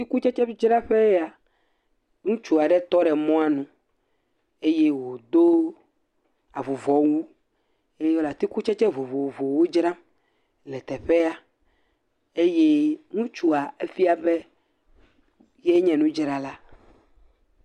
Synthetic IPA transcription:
t̪i˦ku˦t͡ʃɛ˦t͡ʃɛ˦d͡ʒɾa˦ɸe˦a˨ | nũ˦t͡ʃu˨a˨ɖɛ˦t̪ɔ˦ɖɛ˨mɔ̃˦a˦nũ˨ | e˦je˦wo˨d̪o˦ | a˨vo˨vɔ˨wu˦ | e˦je˦wo˦la˨t̪i˦ku˦t͡ʃɛ˦t͡ʃɛ˦vo˨vo˨vo˨wo˦d͡ʒɾã˦m | lɛ˨t̪ɛ˨ɸe˦a˦ | e˦je˦nũ˦t͡ʃu˦a˨e˦fi˦a˨bɛ˦ | je˦ɲɛ̃˨nũ˦d͡ʒɾa˦la˦

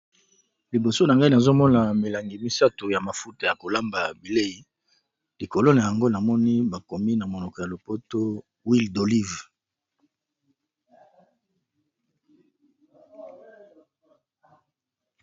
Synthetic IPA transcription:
li˨bo˨so˦na˨ŋɡa˦i˦na˨zo˦mɔ˦na˨me˨la˨ŋɡi˨mi˦sa˦tu˨ja˨ma˨fu˦ta˨ja˨ko˨la˦mba˨bi˨le˦i˨ | li˨ko˨lo˦na˨ja˨ŋɡo˦na˨mɔ˦ni˦ba˨ko˨mi˦na˨mo˨nɔ˨kɔ˨ja˨lo˨po˦to˦ | wi˦ldo˨li˦v

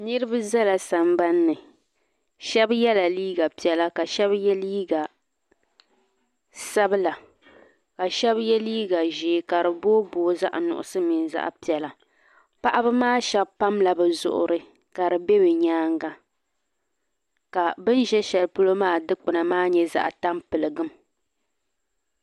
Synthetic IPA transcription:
nɨ˦ɾɨ˦ba˦za˦la˨sa˨mba˦nːɨ˨ | ʃɛ˦bjɛ˦la˨liː˦ɡa˨pi˨ɛ˨la˦ka˨ʃɛ˦bjɛ˦liː˦ɡa˨ | sa˦bɨ˦la˨ | ka˨ʃɛ˦bjɛ˦liː˦ɡa˨ʒeː˨ka˨ɾɨ˨boː˦boː˨za̰˦ʔnʊ̰˨ʔʊ̰˨sɨ˦mi˨nza̰˦ʔpi˨ɛ˨la˨ | pa˦ʔa˦bɨ˦maː˦ʃɛ˨bpa˦mla˨bɛ˨zʊ̰˨ʔʊ̰˨ɾʔɨ˨ | ka˨ɾɨ˨bɛ˦bɛ˨ɲaː˦ŋɡa˨ | ka˨bɨ˦nʒɛ˦ʃɛ˨lpʊ˦lo˦maː˦dɨ˦k͡pʊ˨na˨maː˦ɲɛ˦za̰˨ʔta˦mpɨ˨lɨ˨ɡɨ˦m

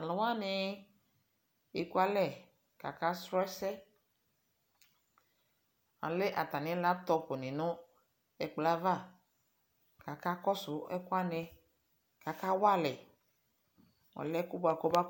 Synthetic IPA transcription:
a˨lɔ˨wa˦˨nɪ˧ | e˨ku˦a˦lɛ˦˨ | ka̰˨ka˦sɾɔ˦sɛ˦ | a̰˨le˦ʔa˨t̪a˨nɪ˨˦la˦t̪ɔ˧po˨ni˨nʊ̃˦ | ɛ˨k͡pla˦va˦˨ | ka˨ka˦kɔ˦sʊ˨˦ɛ̰˦ku˦a˦ne˧ | ka˨ka˦wa˦lɛ˨ | ɔ̰˨lɛ˦ku˦ba˨ko˦ba˦

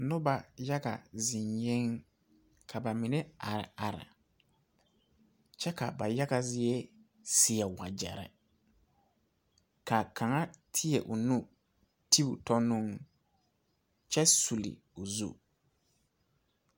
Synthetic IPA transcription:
nʊ˦ba˨ja˦ɡa̰˨zĩ˨ɲje˦ŋ | kʰa˨ba˨mi˨nɛ˦a˨ɾa̰˨a˨ɾa̰˨ | t͡ʃɛ˦ka˨ba˨ja˦ɡa˨zɪ˦ɛ˦ | sɪ˨a˨wa˨d͡ʒɛ̰˨ɾɛ̰˨ | ka˨kʰa˨ŋa˦tʰɪ˦ɛ˨ʔu˨nũ˦ | tʰi˦bu˨tɔ˦nũ˦ŋ | t͡ʃɛ˦su˨lḭ˨ | o˨zṵ˦

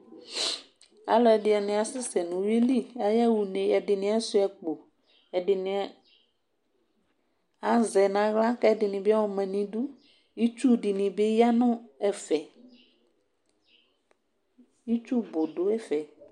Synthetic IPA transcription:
a̰˦lɔ˦ɛ˨dɪ˨a˨nɪ̃˨a˨sɪ˦sɛ˨nʊ̃˨we˦li˦a˨ja˦wu˨nẽ˨˦ɛ˨dɪ˨nɪ̃˨˦a˦sʊ˦ɛ˨k͡po˨ | ɛ˨dɪ˨nɪ̃˨ | a˦zɛ˨nã˨˦ɣla˦kɛ˦ɛ˦dɪ˨nɪ̃˨bɪ˦a˦wɔ˨mɛ̃˨nĩ˨du˦ | i˦t͡ʃu˦˨dɪ˨nɪ̃˨bɪ˦ja˦nʊ̃˦ɛ˨fɛ˨ | i˦t͡ʃu˦bʊ˨dʊ˦ɛ˦fɛ˨

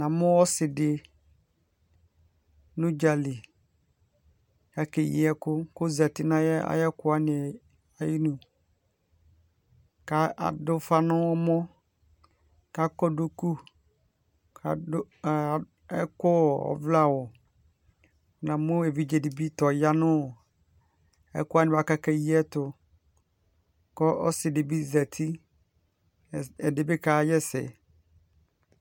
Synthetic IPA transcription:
nã˨mʊ̃˦wɔ˦sɪ˨dɪ˨ | nʊ̃˦d͡ʒa˨lɪ˨ | a˨ke˨jɪ̰˨ɛ˦kʊ˦ko˦za˨tɪ˦nã˦jɛ˦a̰˦jɛ˦kʊ˦a˦nɪ̃˨ɛ˨ | a˨jɪ˦nũ˨ | ka˨a̰˨dʊ˦fa˦nʊ̃˦ɔ˦mɔ̃˦ | ka˨kɔ˦do˦ku˦ | kʰa˨˦˨ | ɛ˦kɔ˦˨ɔ̰˨vla˦wɔ˨ | nã˨mʊ̃˦e˨vi˦d͡ʑe˨di˨bi˦tɔ˨ja˦nʊ̃˦˨ | ɛ̰˦kʊ˦a˦nɪ̃˦ba˨ka˦ka˦ji˦ɛ˦tʊ˨ | kɔ˦ʔɔ˦sɪ˨de˨bi˦za˨tʰi˦ | ɛ˨de˨be˦kʰaː˨˦jɛ˦sɛ̰˨

